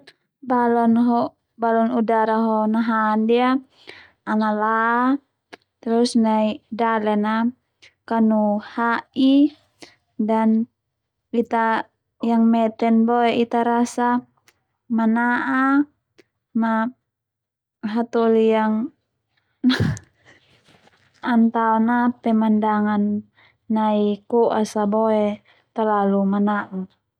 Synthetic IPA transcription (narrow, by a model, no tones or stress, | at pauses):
balɔnɦɔ | balɔnudaɾaɦɔnaɦandia | anala | t̪ɾusnaidalɛna | kanuhai | dan | it̪a | jaŋmɛt̪ɛnboɛʔit̪aɾasa | manaʔa | ma | ɦat̪ɔlijaŋ | a | ant̪aonapɛmandaŋanː | aikɔʔasaboɛ | t̪alalumanaʔa